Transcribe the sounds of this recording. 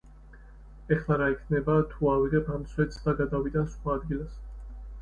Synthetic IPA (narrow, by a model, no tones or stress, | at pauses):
ɛχlaɾaikʰnɛbat̪ʰuaviʁɛpʰamswɛt̪sʰd̪aɡad̪avid̪ansχwaːd̪ɡilˠas